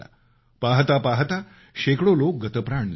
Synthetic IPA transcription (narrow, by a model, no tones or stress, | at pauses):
a̰ | paɦt̪apaɦt̪a | ɕekɽolok̚ɡət̪əpɾaɳl